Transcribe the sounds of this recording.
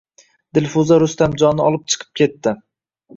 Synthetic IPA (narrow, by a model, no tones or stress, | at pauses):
d̪̥ɪlʲfʊzaɾʊst̪amd͡ʒɒnɪɒlˠɪp̚t͡ʃʰɨ̥qʰɨ̥p̚kʲʰe̞t̪ːɪ